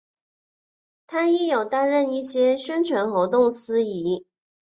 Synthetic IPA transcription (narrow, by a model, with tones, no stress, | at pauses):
t̪ʰa˥i˥˩jo˨˩ʊt̪a˥nɻə˥˧ni˥˩ɕjɛ˥ɕɥɛ˥nʈ͡ʂʰɥɛ˧˥nxo˧˥ʊt̪ʊ˥˩ŋsɹ̩˥i˧˥